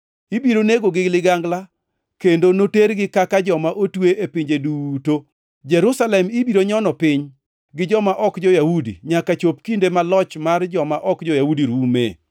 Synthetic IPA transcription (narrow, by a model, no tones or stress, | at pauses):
ibiɾoneɡoɡɪlɪɡaŋɡla | kendonoteɾɡɪkakad͡ʒɔmaʔotweʔepɪɲd͡ʒeduto | d͡ʒɛɾusalɛmibiɾoɲɔnɔpɪɲ | ɡɪd͡ʒɔmaʔɔkd͡ʒɔjahudḭɲakat͡ʃop̚kindemalɔt͡ʃmard͡ʒɔmaʔɔkd͡ʒɔjahudiɾumḛ